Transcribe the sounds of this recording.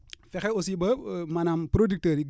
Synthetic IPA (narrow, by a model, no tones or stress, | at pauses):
fɛxɛosibɐmɐnampɾodik̚təɾiɡ